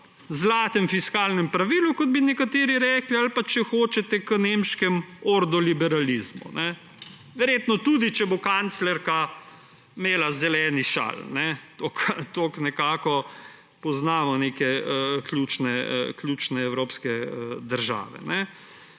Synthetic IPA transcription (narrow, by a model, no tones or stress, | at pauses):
zlaːt̪ɛmfiskaːlnɛmpɾaʋiːlukɔd̪̚binɛkat̪eːɾiɾɛːklialpat͡ʃɛxoːt͡ʃɛt̪ɛkənemʃkɛmɔɾd̪ɔlibɛɾalizmṵnʔɛ | ʋɛɾjeːt̪nɔt̪uːd̪it͡ʃɛbokant̪slɛɾka | meːlazɛlɛːniʃa̰lnɛt̪okt̪oknɛkaːkɔ | pɔznaːmɔnekɛəklʲjuːt͡ʃnɛə̰klʲjuːt͡ʃnɛːwɾoːpskɛəd̪əɾʒa̰ːʋɛ̰nɛ